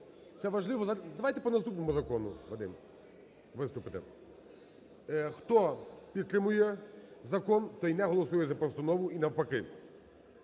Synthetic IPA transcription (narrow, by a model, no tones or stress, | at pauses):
t̪sɛʋɐʒlˠɪʋɔzɐd̪ɐʋajt̪ɛpɔnɐst̪upnɔmʊzɐkɔnʊ̰ʋɐd̪ɪ̰m | ʋɪst̪ʊpɪt̪ɪ̰ | xt̪ɔpʲid̪̚t̪ɾɪmʊjɛzɐkɔnt̪ɔinɛɦɔlˠɔsujɛzɐpɔst̪ɐnɔʋʊinɐwpɐkɪ